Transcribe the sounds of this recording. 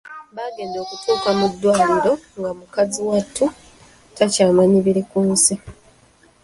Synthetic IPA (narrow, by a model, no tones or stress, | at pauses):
βaːɡe̞ːndo̞ːkutʰuːkamudːwaːliɾo̞ŋɡamukaziwatʰːu | tacaːmaɲiβiɾekuːnsi